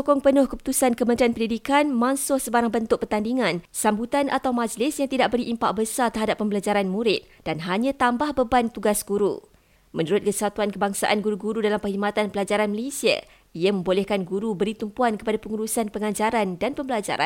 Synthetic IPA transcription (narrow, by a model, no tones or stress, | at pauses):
sokɔŋpənʊhkəpu̥t̪usankəmə̃nt̪ɾianpəndidikanmãŋsʊhsəbaɾaŋbənt̪ʊk̚pərt̪andiŋãnsambut̪anʔat̪awmad͡ʒlɪsjaŋt̪idaʔ̚bəɾiʔimpaʔbəsat̪əɦadapːəmbəlad͡ʒaɾanmuɾɪt̪̚d̥anɦaɲãt̪ambahbəbant̪uɡasɡuɾṵ | mə̃nuɾʊt̪̚kəsat̪uankəbaŋsa̰ʔanɡuɾuɡuɾudalampəɦimat̪anpəlad͡ʒaɾanməlesia̰ | ijamə̃mbolɛhkanɡuɾubəɾit̪umpuankəpadapəŋuɾusanpəŋãd͡ʒaɾandanpəmbəlad͡ʒa̰ɾa̰n